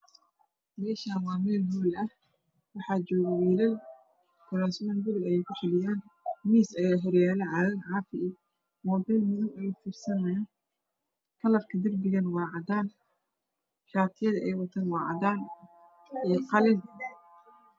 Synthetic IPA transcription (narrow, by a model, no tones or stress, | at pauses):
mɛːʃaːwɑːmɛːlɦuːlɐh | wɑħɑːt͡ʃɔːɣɐwiːlɐl | kʰʊlaːsmɐːnɡʊlɐlɐjɛjkʰʊħɪlɪjaːnmiːsɐjaɦɪɾjaːlɛʕɑːlɐnʕɑːfɪ | mɔbɛlmʊðʊmɛjfiːrsɐnɛjɐ | kʰɐlɐfkʰɐd̪ɐrbɪɣɐnwɑːʕɑd̪aːn | ʃaːt̪ʰɪjɐðɐʔɛjwɐt̪ʰɐnwɑːʕɑ̰ðaːn | iːqɑlɪn